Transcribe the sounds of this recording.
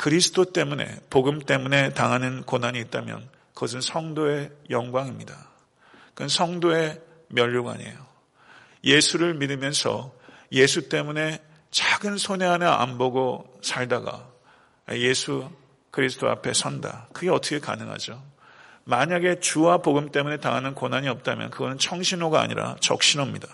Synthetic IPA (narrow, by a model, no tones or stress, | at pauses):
kɯɾisʰɯ̥t͈ʰot͈e̞mune̞̰poɡɯmt͈e̞mune̞taŋɦanɯnkonaɲiːt̚t͈amjʌ̰n | kʌsɯnsʰʌŋdoe̞jʌŋɡwaŋimɲida | kɯnsʰʌŋdoe̞ | mjʌʎːuɡa̰ɲḛjo | je̞sʰuɾɯɭmidɯmjʌnsʰʌ̰je̞s̬ʰut͈e̞mune̞ | t͡ɕaɡɯnsʰone̞ɦanea̰mboɡosʰaɭdaɡa̰ | je̞sʰu | kɯɾisʰɯ̥t͈ʰoa̰pʰe̞̰sʰʌnda̰kɯɡe̞ʌt͈ʰʌkʰe̞ka̰nɯŋɦa̰d͡ʑo | maɲaɡe̞t͡ɕuwapoɡɯmt͈e̞mune̞taŋɦanɯnkonaɲiʌp̚t͈amjʌ̰nkɯɡʌnɯnt͡ɕʰʌŋɕʰinoɡaa̰ɲḭɾa̰t͡ɕʌ̰k̚ɕ͈inʌmɲida